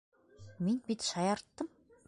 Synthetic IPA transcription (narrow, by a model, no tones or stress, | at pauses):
min̚pʲit̪ʃajart̪ːə̆m